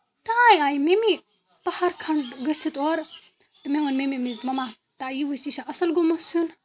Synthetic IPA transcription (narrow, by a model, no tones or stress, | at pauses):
t̪aaːjaːjimemi | pɐhaɾkʰɐɳɖɡɐsit̪oɾ | t̪ɨmeʋɐnmemimizmɐma | t̪ajiʋusiʃaʔɐsɐlɡomɐsun